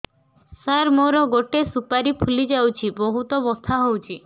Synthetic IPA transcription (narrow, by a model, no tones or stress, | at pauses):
saɾmoɾɔɡoʈesupaɾipʰulid͡ʒawt͡ʃʰiboɦut̪ɔbɔst̪ʰaɦowt͡ʃʰi